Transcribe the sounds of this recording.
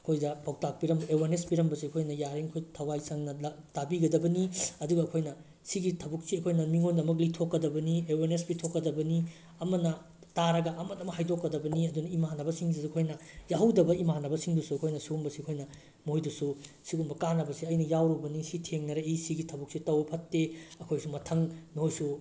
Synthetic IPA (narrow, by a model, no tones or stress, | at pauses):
ɐkʰojdɐpawtak̚piɾɐmbɐewaɾnespiɾɐmbɐsiɐkʰojnɐjaɾiŋkʰojtʰɐwajsaŋnɐatabiɡɐdɐbɐniɐduɡɐːkʰojnɐ | siɡitʰɐbuk̚siɐkʰojnɐmiŋondɐmɐk̬litʰokːɐdɐbɐniewaɾnesbitʰokːɐdɐbɐni | ɐmɐnɐ | taɾɐɡɐʔɐmɐtɐmɐhajdokːɐdɐbɐniɐdunɐimanɐbɐsiŋsisɐkʰojnɐjaɦɐwdɐbɐimanɐbɐsiŋdusuɐkʰojnɐsiɡumbɐsiɐkʰojnɐ | mojdususiɡumbɐkanɐbɐsiɐjnɐjawɾubɐnisitʰeŋnɐɾeisiɡitʰɐbuk̚sitɐwɐpʰɐtːeɐkʰojsumɐtʰɐŋnihojsu